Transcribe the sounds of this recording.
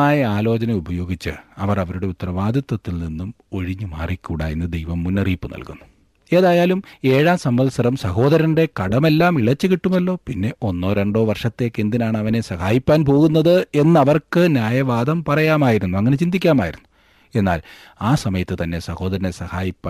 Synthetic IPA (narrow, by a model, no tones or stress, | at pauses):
aːjɐaːlo̞ːt͡ɕɐnɐubɐjo̞ːɡit͡ɕːɨ̰ɐʋɐrɐʋɐɾuɽe̞ut̪ːɐrɐʋaːd̪ʱɐt̪ːɐt̪ːilninːum | o̞ɻiɲːuma̰ːrikːuːɽa̰ːjenːɨd̪ejʋɐmːunːɐriːpːɨnɐ̰lkunːu | e̞ːðaːjaːlume̞ːɻaːsɐmʋɐðsɐɾɐmsɐho̞ːd̪ɐɾɐnde̞kɐɽɐme̞lːaːmiɭɐt͡ɕːɨkiʈːumːɐlːo̞ːpinːe̞ʔo̞nːo̞ːɾeɳɖo̞ːʋɐrʂɐt̪ːe̞ːkːend̪inaːɳɐʋɐne̞sɐhaːjipːaːnpo̞ːɣunːɐðɨe̞nːɐʋɐrkɨnjaːjɐʋaːd̪ɐmpɐrɐjaːmaːjiɾunːuɐŋːɐnet͡ɕind̪ikʲːaːmaːjḭɾunːu | e̞nːa̰ːl | aːsɐmɐjɐt̪ːɨt̪ɐnːe̞sɐho̞ːd̪ɐɾɐnesɐhaːjipːaː